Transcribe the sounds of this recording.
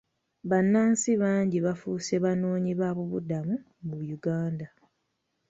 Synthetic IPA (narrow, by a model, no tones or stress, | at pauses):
βanːaːnsiβaːɲɟiβafuːse̞βano̞ːɲiβaβuβudamu | mujuɡaːnda